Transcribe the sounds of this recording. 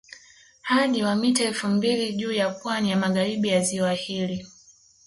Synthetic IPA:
haɗiwamitaɛlfumbiliʄuːjapwanijamaɠaɾiɓijaziwahili

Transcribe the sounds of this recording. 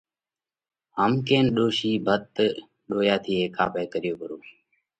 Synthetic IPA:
ɦəmkeːnɗoːʃiːbʱət̪̚ | ɗoːjaːt̪ʰiːɦeːkaːpeːkəɾɪjoːpəɾoː

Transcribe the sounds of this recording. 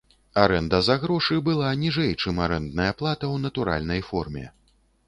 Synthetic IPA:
aɾɛnd̪ɐzaɣɾɔʂɨbɨlˠanʲiʐɛjt͡ʂɨmaɾɛnd̪nɐjɐplˠat̪ɐwnɐt̪uɾa̰lʲnɐjfɔrmʲɛ̰

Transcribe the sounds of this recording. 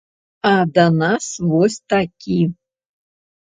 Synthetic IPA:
ad̪anasvosʲt̪akʲʰi

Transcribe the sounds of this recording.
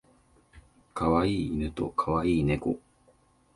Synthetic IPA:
kaβaiːnɯ̟t̪o̞̰kʰaβaiːne̞ko̞

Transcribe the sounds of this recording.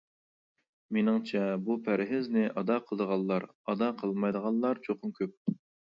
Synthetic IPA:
menɪŋt͡ʃʰɛbupʰæɾɦɪznɪʔɑd̪ɑqʰəlˠəd̪əʁɑlˠːɑɾ | ɑd̪ɑqʰəlˠmɑjd̪əʁɑlˠːɑɾt͡ʃʰoχʊmkʲʰøp̚

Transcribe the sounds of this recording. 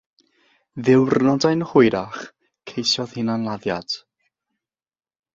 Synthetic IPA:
ðɪwrnɔdajnhʊjɾaχ | kʰejsjɔð̥hɪnanlˠaðjad̥

